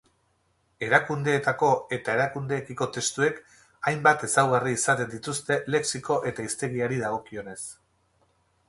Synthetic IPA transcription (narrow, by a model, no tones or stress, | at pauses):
e̞ɾakund̪e̞ːt̪ako̞e̞t̪ae̞ɾakund̪e̞ːkiko̞t̪e̞st̪ue̞k | ajmbat̪e̞sawɣariːsat̪e̞nd̪it̪ust̪e̞le̞ksiko̞ʔe̞t̪aist̪e̞ɣiaɾiðaɣ̞o̞kio̞ne̞s